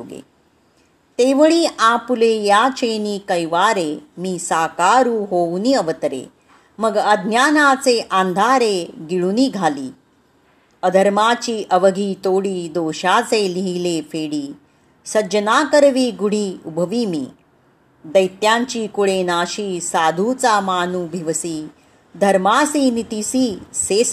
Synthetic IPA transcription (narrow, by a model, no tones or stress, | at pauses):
ɡḛ | t̪eʋəɭiːʔãpulejat͡ɕeniːkəjʋaɾemiːsaːkaɾuːɦowniəʋət̪ɾḛ | məɡəd̪ʱnjanat͡seʔãnd̪ʱaɾeɡiɭuniːɡʱaliː | əd̪ʱəɾmat͡ɕiːʔəʋəɡʱiːt̪oɽiːd̪oɕat͡seliɦilefeɽiː | səd͡ʑənakəɾʋiːɡuɽ̤iːubʱəʋiːmḭː | d̪əjt̪jãɲt͡ɕiːkuɭenaːɕiːsad̪ʱut͡samaːnuːbʱiʋsiː | d̪ʱəɾmasiːnit̪isiːses